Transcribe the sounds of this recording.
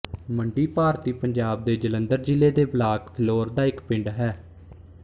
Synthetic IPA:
məɳɖiːpaːɾt̪iːpəɲd͡ʒaːb̚d̪eːd͡ʒələ̃nd̪əɾd͡ʒɪlːeːd̪eːblaːkpʰloːɾd̪aːɪkpɪɳɖɦɛː

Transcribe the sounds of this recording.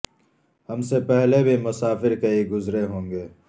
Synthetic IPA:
hɐmsepɛɦlebʱimʊsaːfɪɾkɐiɡʊzɾeɦõːŋɡeː

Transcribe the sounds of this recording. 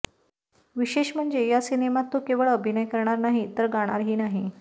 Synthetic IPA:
ʋiɕeɕm̤əɳd͡zejasinemat̪ːokeʋəɭəbʱinəjkəɾɳ̃aɾnaɦit̪əɾɡaɽ̃aɾɦiːnaɦi

